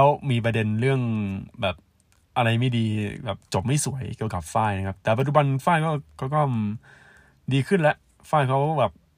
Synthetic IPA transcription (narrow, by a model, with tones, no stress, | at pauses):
kʰɛ˦˥wmiː˧p̬ɾa˧de˧nɾɯ˥˩əŋbɛː˨˩p̚ | ʔa˧ɾa˧jma˥˩jdiː˧bɛː˨˩p̚t͡ɕo˨˩p̚ma˥˩jsu˨˦əjki˧əwka˨˩p̚faː˥˩jna˦˥kʰp̚t̪ɛː˨˩p̬a˨t̪̚t͡ɕu˧ba˧nfaː˥˩jkɔː˥˩kʰɔː˥˩kɔː˥˩m | diː˧kʰɯ˥˩nlɛ˦˥ʔ | faː˥˩jkʰa˦˥wkʰkɔ˥˩bɛː˨˩p̚